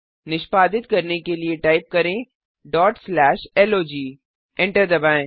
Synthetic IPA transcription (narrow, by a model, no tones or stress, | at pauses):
nɪʃpaːd̪ɪt̪kɐɾnekelieʈaːɪp̚kɐɾẽ | ɖɔːʈslɛːʃɛloːd͡ʒiː | ɪ̃ɳʈəɾd̪ɐbaːẽ